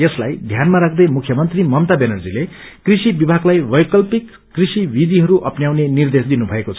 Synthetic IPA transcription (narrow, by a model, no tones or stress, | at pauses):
eslajd̪ʱjanmaɾak̚ʰd̪ʌjmukʰjʌmʌnt̪rimʌmt̪abenʌrd͡zile | krisibibʱaɡlajbʌjkʌlpikːrisibid̪iɦʌɾuʔʌpnjawnenird̪esd̪inubʱʌekot͡sʰʌ